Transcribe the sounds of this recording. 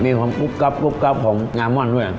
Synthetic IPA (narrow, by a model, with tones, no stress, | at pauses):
miː˧kʰwaː˧mku˦˥p̚ka˦˥p̚ku˦˥˩p̚ka˦˥p̚kʰɔː˩˦ŋŋaː˧nmɔ˥˩˨ndu˥˩˨j